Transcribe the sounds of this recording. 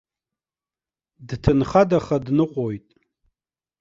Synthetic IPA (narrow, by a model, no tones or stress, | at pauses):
dtʰɨnχadaχadnɨqʷʼojtʼ